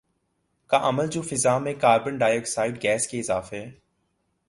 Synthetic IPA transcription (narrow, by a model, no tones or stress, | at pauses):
kaʔɐməld͡ʒoːfɪzaːmẽkaːɾbənɖaːjoːksaːɪɖɡɛːskeɪzaːfeɛː